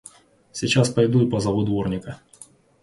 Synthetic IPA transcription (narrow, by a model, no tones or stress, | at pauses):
sʲit͡ɕaspɐjd̪uɪpɐzɐʋʊd̪ʋɔrnʲɪkɐ